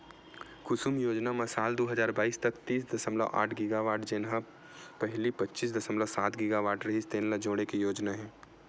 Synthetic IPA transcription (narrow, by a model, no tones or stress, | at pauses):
kʊsumjoːd͡ʒnamɐsaːld̪oːɦɐzaːɾbaːiːst̪ɐkt̪iːs̬d̪ɐsəmla̰ʔa̰ːʈʰɡɪɡaʋaːʈd͡ʒenɦã | pɛɦlipɐtːʃisd̪ɐsəmlasaːt̪ɡɪɡaʋaːʈɾɐɦist̪eːnlad͡ʒoːɽ̃ekijoːd͡ʒnaɦɛ̃ː